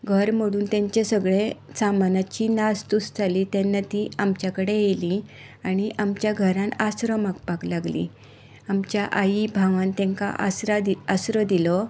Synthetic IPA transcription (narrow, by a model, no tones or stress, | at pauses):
ɡʱəɾm̤əɽuːnt̪ɛ̃ɲt͡ɕesəɡɭesamanat͡ɕinast̪usd͡zaliːt̪ɛnːat̪iːamt͡ɕjakəɽejeli | aɽ̃iʔamt͡ɕjaɡʱəɾãnasɾəmakpaklaɡlḭ | amt͡ɕjaʔajibʱaʋãnt̪ɛ̃ŋka̰ʔa̰sɾad̪iasɾəd̪ilɔ